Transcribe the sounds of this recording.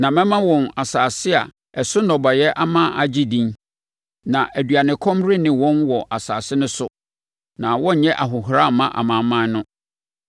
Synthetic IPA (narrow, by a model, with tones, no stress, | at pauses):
nã˨mɛ̃˦mã˦wɔ̃˨na˨saː˨sɪ˦a̰˨ | ɛ˨sʊ˦nɔ˨ba˨jɛ˦ʔa˦mã˦a˨d͡ʑi˦dĩ˦n | nã˨ʔæ˨dɥa˨nɪ̃˨kʰɔ̃˦mɾɪ˦nɪ̃˨wɔ̃˦nwɔ˨ʔa˨saː˨sɪ˦nʊ̃˦sʊ˦ | nã˨wɔ̃˦ɲ̩˨ɲɛ̃˦ʔa˨ɦʊ˨ɦɾa˦˨mã˦ʔa̰˨mã˨mã˦nʊ̃˦